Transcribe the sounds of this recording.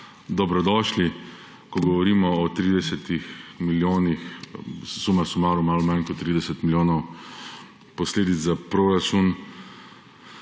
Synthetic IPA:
d̪ɔbɾɔd̪ɔːʃli | kɔɡɔʋɔɾiːmɔɔt̪ɾiːd̪ɛsɛt̪ixmiljoːnix | sumasumaːɾumalɔmankɔt̪ːɾid̪ɛsɛt̪miljoːnɔw | pɔsleːd̪it̪zapɾoɾat͡ʃun

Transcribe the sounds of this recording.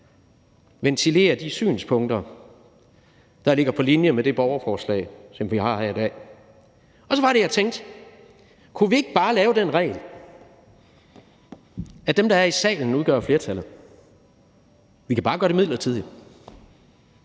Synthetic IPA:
ʋent͡sʰile̝̰ːɐd̥isy̰ːnspʰɔ̽ŋ̰d̥ɐ | d̥ɑ̈le̝ɡ̥ɐpʰɒ̽linjəmed̥e̝b̥ɒʊɐfɒːslɛ̰ːɪsɒ̽mʋihɑ̈hæɐid̥ɛ̰ː | ɒ̽sɒ̽ʋɑ̈ɾe̝jät͡sʰeŋ̰d̥ | kʰuʋie̝ɡ̥əb̥ɑ̈ːlɛːʊd̥enʁɛ̰ːɪl | æd̥emd̥ɑ̈æɐisɛ̰ːln̩uðˠɡ̥ɶ̰ɐfle̝ːɐt͡sʰælð̩ˠ | ʋikʰæb̥ɑ̈ːɡ̥ɶɐɾe̝mið̰ˠlɐt͡sʰið̞ˠli

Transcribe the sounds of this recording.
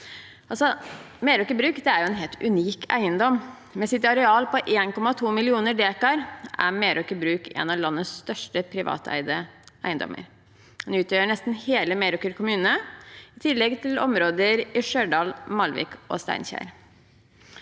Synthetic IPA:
ʔɑlsɔ | meːɾʊkəbɾʉːkd̪ɛæɾjʊɛːnɦeːlt̪ʉniːkæ̰ɪənd̪ɔm | mɛsɪt̪ɑɾɛɑːlpɔʔeːnkɔmɑt̪ʰuːmɪlɪuːnəɖeːkɑɾʔæ̰meːɾʊkəbɾʉːkʰḛːnɑlɑnːəsst̪œʂʈəpʰɾɪʋɑ̰ːt̪ʰæ̰ɪd̪əʔæɪənd̪ɔ̰mːʔə̰ɾ | d̪ɛnʉːt̪ʰjøːəɳɛst̪n̩heːləmeɾʊkəɾkʰʊmʉːnəɪt̪ʰɪlːɛɡt̪ʰɪlɔ̰mɾoːd̪əɾɪʂøːɖɑːlmɑlʋɪ̰kɔ̰st̪æ̰ɪnçæ̰ɾ

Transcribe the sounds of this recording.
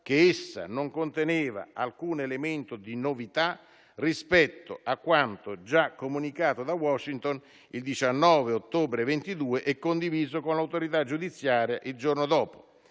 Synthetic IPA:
k̟eesːa̰noŋkont̪eneːva̰alkuːnelement̪ʊd̪inovit̪a | rispɛt̪ːo̰akːwant̪od͡ʒakːomunikaːt̪od̪awɔʃint̪on | ild̪it͡ʃanːɔːveot̪ːoːbɾevent̪id̪uːeʔɛkːond̪iviːzokonlawt̪oɾit̪ad͡ʒːud̪it̪sːjaːɾjaʔild͡ʒornod̪ɔːpʊ

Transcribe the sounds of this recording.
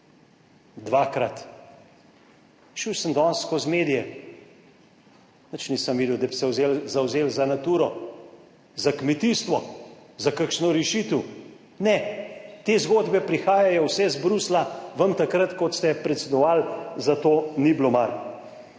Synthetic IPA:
d̪ʋakɾat̪ | ʃiwsəmd̪ɔnskɔzmeːd̪ijɛ | nət͡ʃnisəmʋiːd̪əwd̪absɛwzelzawzeːlzanat̪uːɾɔ | zakmɛt̪ist̪ʋɔzakakʃnɔɾɛʃiːt̪əw | nɛt̪eːzɡoːd̪bɛpɾixaːjajɔwsɛzbɾuslaʋəmt̪akɾət̪kɔt̪st̪ɛpɾɛt̪sɛd̪ɔʋalzat̪oːniblomal

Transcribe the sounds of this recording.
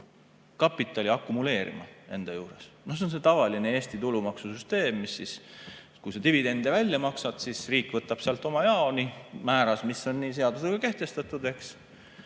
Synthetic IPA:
kɑpːˑit̪ːˑɑlʲiɑkːˑumule̞ːɾʔḭmɑ̰e̞nd̪̥ɑjuːɾe̞̰snohs̬eonse̞t̪ɑvɑlinee̞ːsʲt̪it̪ulumɑksusyst̪e̞ːmːisːis | kujset̪ivid̪e̞nd̪̥evælʲjɑmɑksɑd̪̥sisriːkːˑvɤt̪ːˑɑb̥seɑlt̪ːˑo̞mɑjɑonimæːɾɑsmisːo̞nːiːse̞ɑd̪useɡɑke̞ht̪e̞st̪ɑt̪ˑud̪̥e̞ks

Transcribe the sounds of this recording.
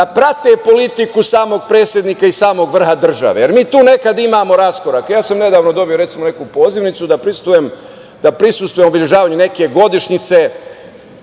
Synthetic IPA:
apɾat̪epo̞lit̪ikusaːmo̞ɡ̚pɾeːt̪sʲjed̪nikaisaːmo̞ɡʋr̩xad̪r̩ʒa̰ʋejeɾmiːt̪uːne̞kad̪imaːmo̞ɾasko̞ɾakejaːsamne̞d̪aːʋnod̪o̞bijoɾet̪simo̞ne̞kupo̞ːziʋnit̪sud̪apɾist̪ʋujem | d̪apɾisust̪ʋuje̞mobiʎeʒaːʋaːɲene̞ke̞ɡo̞d̪iʃɲit̪se̞

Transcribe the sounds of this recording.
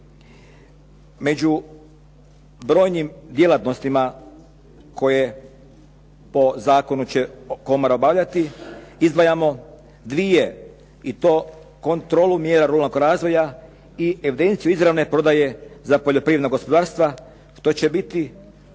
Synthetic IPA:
me̞d͡ʑu | bɾo̞ːjnimd̪je̞lat̪no̞st̪ima | ko̞je | po̞zaːko̞nut͡ɕeko̞moɾaobaʋʎat̪iizd̪ʋajamo̞ | d̪ʋije | it̪o̞ː | ko̞nt̪ɾo̞lˠumje̞ːɾaɾulanoŋkoɾaːzʋo̞ja | ie̞ʋid̪e̞nt̪siuizɾaʋne̞pɾo̞d̪aje̞zapoʎo̞pɾiːʋed̪naɡo̞spo̞d̪aːɾst̪ʋa | ʃt̪o̞t͡ɕe̞bit̪i

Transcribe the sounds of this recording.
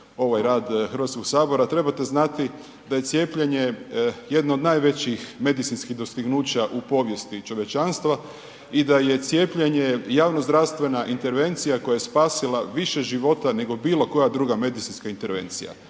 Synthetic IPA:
o̞ʋajɾaːd̪xɾʋat̪sko̞ɡsaːbo̞ɾat̪ɾe̞bat̪e̞znat̪i | d̪aje̞t̪sje̞ːpʎeɲeje̞d̪naod̪naːjʋe̞t͡ɕixme̞d̪it̪sinskiɦd̪o̞st̪iɡnuːt͡ɕaʔupo̞ʋje̞st̪it͡ʃo̞ʋje̞t͡ʃanst̪ʋa | id̪aje̞t̪sjepʎeɲejaːʋnozd̪ɾaʋst̪ʋe̞naʔint̪e̞ɾʋe̞nt̪sijako̞jajespaːsilaʋiʃeʒiʋo̞t̪ane̞ɡo̞biːlˠo̞ko̞jad̪ɾuːɡame̞d̪it̪inskaint̪e̞ɾʋe̞̰nt̪sḭja̰

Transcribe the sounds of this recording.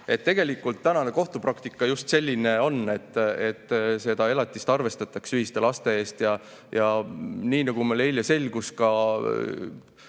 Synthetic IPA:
e̞t̪ːe̞ɡ̥e̞likːˑult̪ːænɑneko̞ht̪uprɑkt̪ikːˑɑjust̪se̞lʲːine̞o̞nːe̞t̪ːe̞t̪ːse̞d̪ɑe̞lɑt̪ːˑist̪ɑrve̞st̪ɑt̪ːˑɑksyɦist̪e̞lɑst̪e̞e̞ːst̪jɑ | jɑniːnɑɡ̥umeleiljɑse̞lʲɡ̥uskɑ

